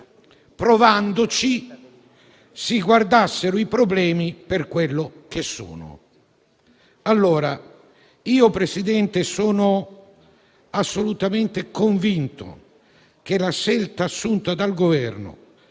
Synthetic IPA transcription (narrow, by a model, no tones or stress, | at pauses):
pɾovand̪ʊt͡ʃi | siɡward̪asːeɾʊipɾoblɛːmiperkwelːʊk̟esːṵːnʊ̰ | alːɔːɾa | iːopɾesid̪ɛnt̪esɔːnʊ | asːolut̪ament̪ɪkoɱvint̪o̰ | k̟elaʃːɛlt̪aːsːunt̪ad̪alɡovɛrnʊ̰